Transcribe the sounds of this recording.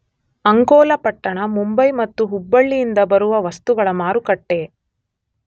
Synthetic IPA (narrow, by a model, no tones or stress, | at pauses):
ɐŋkɔːlɐpɐʈːɐɳɐmumbɐjmɐt̪ːuɦubːɐɭːijind̪ɐbɐɾuʋɐʋɐst̪uɡɐɭɐmaːɾukɐʈːe̞